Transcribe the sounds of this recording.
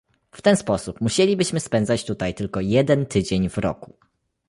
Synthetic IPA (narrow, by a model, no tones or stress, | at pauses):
ft̪ɛnspɔsupmuɕelʲibɘɕmɘspɛnd̪zat͡ɕt̪ut̪ajt̪ɘlkɔjɛd̪ɛnt̪ɘd͡ʑeɲvɾɔ̰ku